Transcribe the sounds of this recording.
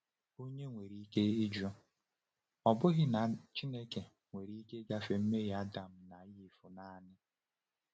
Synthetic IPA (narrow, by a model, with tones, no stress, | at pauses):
o˦ɲe˦ŋʷe˨ɾi˦ke˦ɪ˦d͡ʒɔ˦ | ɔ˨bʊ˦ɣɪ˦na˨t͡ʃi˦ne˦ke˨ | ŋʷe˨ɾi˦ke˦ɡa˦fe˨m̩˦me˦ɣa˦da˨m̩˨na˨jɪ˦˨fʊ˨na˦˨nɪ˦